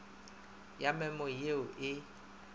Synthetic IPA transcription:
jamɛmɔjeʊʔɪ

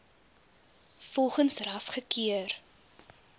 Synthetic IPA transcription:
fɔlˠχənsrɐsχəkiər

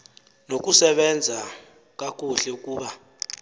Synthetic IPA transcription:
nok̬ʼusɛɓɛnd͡zʱa | k̬ʼak̬ʼuɬɛukʼuːɓa

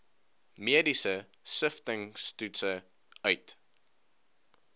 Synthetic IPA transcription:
miədisə | səftəŋstʉtsə | œɥt

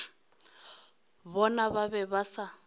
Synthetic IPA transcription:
βɔnaβaβɛβasa

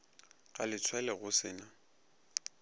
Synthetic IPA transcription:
ɣalɪt͡sʰwɛlɛɣʊsɪːna

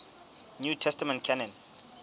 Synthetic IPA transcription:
njutʰɛstamɛ̃ntkʰɛnɔ̃n

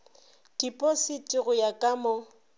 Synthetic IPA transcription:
d̥ipʼɔsitʼiɣʊjakʼamɔ

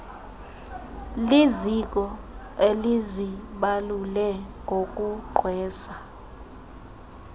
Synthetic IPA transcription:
lizik̬ʼɔ | eliziɓalulɛŋɡʱok̬ʼuǃʱʰwɛːsa

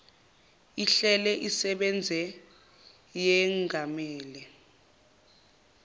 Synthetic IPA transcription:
iɬɛlɛʔisɛɓɛnd͡zʱɛ | jɛŋɡʱamɛːlɛ

